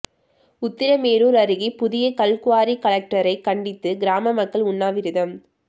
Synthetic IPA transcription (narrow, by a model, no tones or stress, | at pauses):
ʊt̪ːɪɾɐmeːɾuːɾɐɾɯɣipʊðɪjɐkɐɭkʊʋaːɾikɐɭɐk̚ʈɐɾɐɪkɐɳɖɪt̪ːɯɡɪɾaːmɐmɐkːɐɭʊnːaːʋɪɾɯðɐm